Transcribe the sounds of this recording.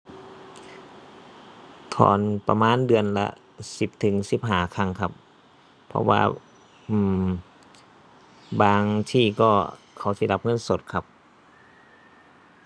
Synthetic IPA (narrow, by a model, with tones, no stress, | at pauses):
t̪ʰɔ̰ː˨˩npa˧maː˧˥˨ndɯ˧˩ənla̰˧ | si˨˦p̚t̪ʰɯ˨˦ŋsi˧˦p̚ɦaː˧˩kʰa˧˨ŋkʰa˧p̚ʰː | ɔ̰˧wa̰ː˧ | ʔɯː˧˩m | baː˧ŋt̪ʰiː˧˩kɔː˧˩ | kʰa˨˩˦wsi˧˦la˧p̚ŋɤ˧˥˨nso˨˦t̪̚kʰa˧p̚